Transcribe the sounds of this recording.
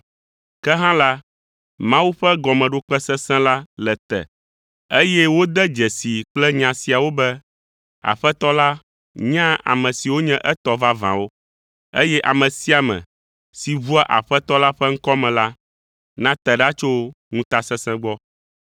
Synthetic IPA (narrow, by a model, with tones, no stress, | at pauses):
kɛ˦ɦã˦la˦ | mã˦wu˦ɸɛ˦ɡɔ˨mɛ̃˨ɖo˦k͡pɛ˦sɛ˦sɛ̃˦la˦lɛ˨t̪ɛ̰˨ | e˦jɛ˦wo˦d̪ɛ˦d͡ʒɛ˨si˨k͡plɛ˦ɲã˨si˨a˨wo˦bɛ˦ | a̰˨ɸɛ˦t̪ɔ˦la˦ | ɲã˦a̰˨mɛ̃˨si˨wo˦ɲɛ̃˦ʔɛ˦t̪ɔ˦va˦vã̰˨wo˦ | ḛ˦jɛ˦ʔa˨mɛ̃˨si˦a˨mɛ̰̃˨ | si˨vu˦a˦ʔa̰˨ɸɛ˦t̪ɔ˦la˦ɸɛ˦ŋ̩˦kɔ˦mɛ̃˨la˦ | nã˦t̪ɛ˨ɖa˦t͡ʃo˦ | ŋũ˦t̪a˦sɛ̃˦sɛ̃˦ɡ͡bɔ˦